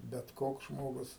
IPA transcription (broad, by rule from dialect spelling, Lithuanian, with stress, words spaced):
bʲɛt ˈkoːks ˈʒmoːɡʊs